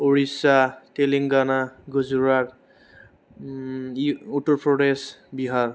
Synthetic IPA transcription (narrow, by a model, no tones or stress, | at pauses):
oɹisateliŋɡanaɡuzuɹaɹ | utɔɹpʰɹɔdesbiɦaɹ